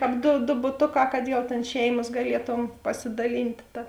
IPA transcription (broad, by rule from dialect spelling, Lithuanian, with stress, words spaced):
ˈkɑːp doː doː bʊˈtoːˌkɑː kɐt jɛʊ ˈtʲeːn ˈʃʲɛɪmɐs ɡɐˈlʲiɛˌtoːm pɐsʲɪdɐˈlʲiːnʲtʲ ˈtɐ